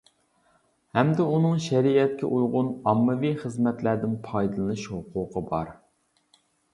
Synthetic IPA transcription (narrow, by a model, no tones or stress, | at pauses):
hɛmd̪ɛunɨŋʃæɾiɛt̪̚kʲɛ̰ʔujʁʊnɑmːɨviχəzmɛt̪læd̪ɪnpʰɑjd̪ɨlˠɨɨʃhʊqʰʊːqʰəbɑ̰ɾ